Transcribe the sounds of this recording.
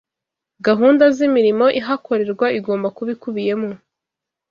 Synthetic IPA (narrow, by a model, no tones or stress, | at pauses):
ɡaɦuːndazimiɾimo̞ʔiɦakʰo̞ɾe̞ɾɡwaiɡo̞ːmbakuβikuβije̞mo